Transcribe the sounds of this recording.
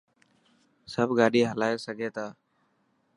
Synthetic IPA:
səbɡaːɗiːɦəlaːeːsəɡʱeːt̪aː

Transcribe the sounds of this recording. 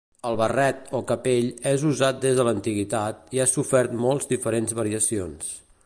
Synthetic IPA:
əlˠβərɛt̪okəpeʎɛzuzat̪̚d̪ezðələnt̪iɣit̪at̪̚iasufɛɾt̪mɔlˠzd̪ifəɾenzβəɾiəsions

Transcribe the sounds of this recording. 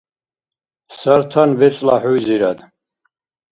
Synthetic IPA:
səɾt̪ʰanvɛt͡sʼla̰ħujziɾad̪

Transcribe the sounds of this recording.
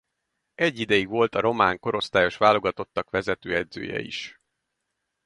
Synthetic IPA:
ɛɟːid̪ɛjiɡʋo̞lt̪ɒɾo̞maːŋko̞ɾo̞st̪aːjo̞ʃʋaːlo̞ɡɒt̪o̞t̪ːɒkʋɛzɛt̪øːɛd̪zø̰ːjɛ̰ḭʃ

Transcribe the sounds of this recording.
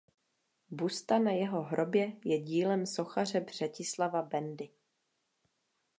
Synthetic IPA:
bust̪anajɛɦo̞ɦɾʔo̞bjɛjɛɟiːlɛmso̞xar̝ɛbr̝̥ɛcɪslavabɛndɪ

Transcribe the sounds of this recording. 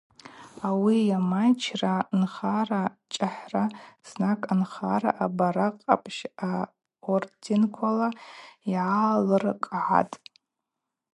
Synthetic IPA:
awijamat͡ʃʰranχarat͡ʃʼaħraz̥nakʼanχara̰ʔabaɾaqʼa̰pʼʰʃa | ordinkʷʰalaiʕalɨrkʼʕa̰tʼ

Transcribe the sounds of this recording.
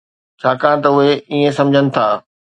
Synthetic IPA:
t͡ɕʰaːkãːɽ̃t̪̬ɐʊɦeiːẽsɐ̃md͡ʑʱənɪ̆t̪ʰaː

